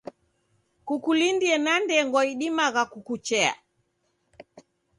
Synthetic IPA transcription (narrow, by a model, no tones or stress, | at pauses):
kukulindiɛnandɛŋɡɔiɗimaɣakukut͡ʃɛa̰